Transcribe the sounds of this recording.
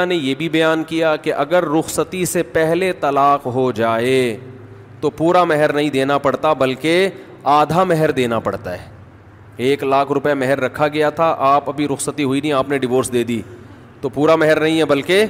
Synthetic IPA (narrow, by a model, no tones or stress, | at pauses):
anejeːbʱibɐjaːnkijakeʔɐɡəɾːʊxsət̪isepɛɦlet̪ɐlaːqɦod͡ʒaːe | t̪opuːɾamɛɦɛɾnɐɦĩd̪eːnapɐɽt̪abɐlke | aːd̪ʱamɛɦɛɾd̪eːnapɐɽt̪aɦɛː | eːklaːkʰɾʊpjamɛɦɛɾːɐkʰːaɡɐjat̪ʰaʔaːpɐbʱiɾʊxsət̪iɦʊinĩaːpneɖɪʋoːɾsd̪eːd̪iː | t̪opuːɾamɛɦɛɾnɐɦĩɦɛbɐlke